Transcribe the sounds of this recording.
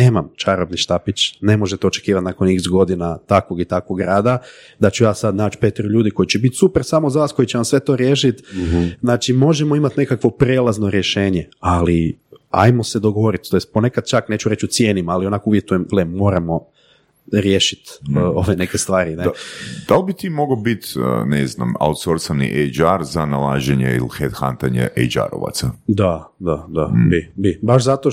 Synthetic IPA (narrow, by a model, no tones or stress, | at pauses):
ne̞ːmamt͡ʃaɾobniʃt̪apit͡ɕne̞mo̞ʒet̪ot͡ʃekiːʋat̪nako̞niɡzɡo̞d̪inat̪akʋoɡit̪akoɡɾaːd̪a | d̪at͡ɕujaːsad̪naːt͡ʃpe̞t̪iɾuʎuːd̪iko̞it͡ɕebit̪supeɾsaːmozaʋaːsko̞jit͡ɕeʋamsʋe̞t̪o̞ːɾje̞ːʃit̪znaːt͡ʃimo̞ʒemoimat̪ne̞kakʋo̞pɾeːlˠazno̞ɾje̞ʃe̞ːɲeali | a̰jmo̞sed̪oɡoʋo̞ɾit̪t̪ojest̪̚ponekad̪̥̚t͡ʃakne̞ːt͡ʃuɾe̞t͡ʃut̪sje̞ːnimalio̞naːkouʋjet̪ujemlemmo̞ːɾamo̞ | ɾje̞ːʃit̪ːo̞ʋe̞ne̞ke̞st̪ʋaːɾined̪alˠbit̪iːmoɡobit̪nezna̰ma̰ut̪soɾsanḭʔejd͡ʒaɾzanalaːʒeɲḛḭlxed̪xant̪aɲḛʔḛjd͡ʒa̰ɾo̰ʋa̰t̪sad̪ad̪ad̪abibibaʃzat̪o